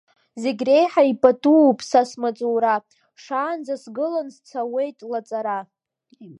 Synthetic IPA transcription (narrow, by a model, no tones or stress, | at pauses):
zeɡʲre̞jħaipʼatʼupʼsasmat͡sʼuwɾa | ʂaːnd͡zasɡɨlanst͡sʰawe̞jtʼlat͡sʼaɾa